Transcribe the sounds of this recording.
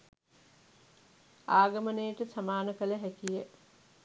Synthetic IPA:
aːɡəmənejəʈəsamaːnəkələɦækijə

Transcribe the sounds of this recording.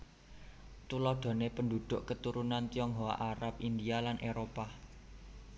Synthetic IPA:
t̪ulɔɖ̪̥ɔ̤nepənd̪ud̪̥ʊ̤ʔkət̪uɾunant̪iɔŋɦowa̰ʔaɾap̚ind̪ialanʔeɾopa

